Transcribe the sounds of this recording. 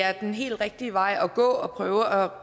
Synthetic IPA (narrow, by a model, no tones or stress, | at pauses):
æɐd̥enɦe̝̰ːld̥ʁɛɡ̥̚d̥iəʋɑ̈ɪ̰ɒ̽ɡ̥ɔ̰̽ːɒ̽pʰʁœːʊəɒ